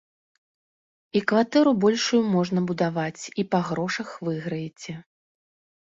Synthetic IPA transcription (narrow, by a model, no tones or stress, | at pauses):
ikvat̪ɛɾubɔlʲʂujumɔʐnɐbud̪avat͡sʲipɐɣɾɔʂɐxvɨɣɾɐjɛt͡sʲɛ